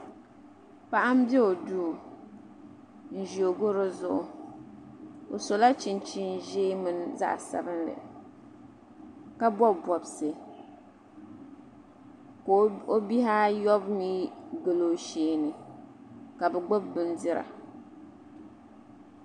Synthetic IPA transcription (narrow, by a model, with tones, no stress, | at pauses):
pa˦ʔa˦m̩˦bjɛ˦o˨duː˦˨ | n̩˦˨ʒo˨ɡʊ˦ɾɨ˦zʊ˦ʔʊ˦ | o˨so˨la˦t͡ʃi˦˨nt͡ʃi˦n˦ʒeː˦mɨ˦n˦za̰˦ʔsa̰˨bɨ˦nlɨ̰˨ | ka˦bɔ˦bbɔ˨bse˦ | ko˨o˦bi˦ɦa˦jɔ˦bmiː˦ɡɨ˨lo˦ʃeː˦nɨ˨ | ka˨bɨ˨ɡ͡bʊ˦bːɨ˦ndɨ˦ɾa̰˨